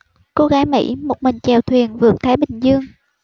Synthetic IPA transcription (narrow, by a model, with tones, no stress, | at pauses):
ko˧˦ɣaː˨˦jmḭ˧˥mo˨˩t̚mï˨˩ŋ̟t͡ɕɛ˨˩wt̪ʰwi˨˩ənvɨ˨˩ək̚t̪ʰaː˨˦jɓï˨˩ŋ̟zɨ˧əŋ